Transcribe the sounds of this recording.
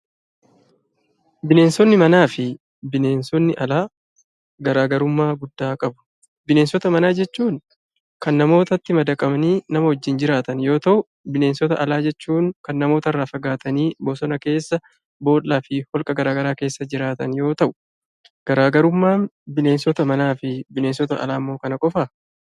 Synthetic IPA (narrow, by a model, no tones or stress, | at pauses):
bɪne̞ːnsɔnːɪmɐnaːfɪ | bɪneːnsɔnːɪʔɐlaː | ɡɐɾaːɡɐɾʊmːaːɡʊd̪ːaːkʼɐbʊ̥ | bɪne̞ːnsɔt̪ɐmɐnaːd͡ʒɛt͡ʃːuːŋ | kɐnːɐmo̞ːt̪ɐt̪ːɪmɐd̪ɐkʼɐmɐniːnɐmɐhɔd͡ʒːɪnd͡ʒɪɾaːt̪ɐnjo̞ːt̪ɐʔʊ | bɪne̞ːnsɔt̪ɐʔɐlaːd͡ʒɛt͡ʃːuːŋkɐnːɐmo̞ːt̪ɐrːaːfɐɡaːt̪ɐniːboːsɔnɐke̞ːsːɐ | bo̞ːlːaːfɪhɔlkʼɐɡɐɾaːɡɐɾaːke̞ːsːɐd͡ʒɪɾaːt̪ɐnjo̞ːt̪ɐʔʊ̥ | ɡ̥ɐɾaːɡɐɾʊmːaːnbɪne̞ːnsɔt̪ɐmɐnaːfɪbɪneːnsɔt̪ɐʔɐ̰laːmːo̞ːkɐnɐkʼɔfa